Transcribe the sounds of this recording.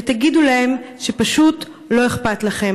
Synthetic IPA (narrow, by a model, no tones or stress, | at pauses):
etaɡidulae̞mʃe̞paʃut | lo̞eχpatlaχe̞